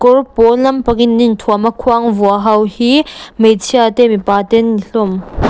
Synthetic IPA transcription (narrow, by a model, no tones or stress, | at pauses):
kɔrpɔlɐmpɐkinːint̪ʰuamɐkʰuaŋvuaɦɐwhimejt͡sʰiat̪emipat̪ɛnːiɬʊm